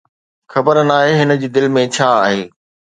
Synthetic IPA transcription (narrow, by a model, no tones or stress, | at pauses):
xɐbəɾənaːɦeɦɪnə̆d͡ʑiːd̪ɪlmẽt͡ɕʰaːaːɦeː